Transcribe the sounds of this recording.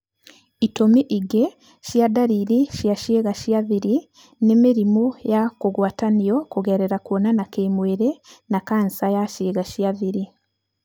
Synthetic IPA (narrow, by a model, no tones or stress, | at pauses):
itomiʔiɡe | ʃjadaɾiɾiʃjaʃeːɣaʃjaðiɾi | nemeɾimujakuɣwaːtanijɔkuɣeɾeɾakwonanakemweɾenakansajaʃiːɣaʃjaðiɾi